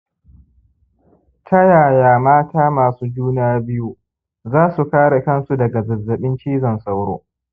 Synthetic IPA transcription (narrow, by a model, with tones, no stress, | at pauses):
tʰɐ˦jaː˨jaː˨maː˦taː˦maː˨suː˦d͡ʒuː˦n˦aː˦bɪ˦ju˦ | zaː˦su˨kaː˦ɽe˨kɐ˦nsu˦dɐ˨ɡa˨zɐ˨zːɐ˨ɓɪ˦nt͡ʃiː˦zɐ˨nsʼa˦wɽo̰ː˦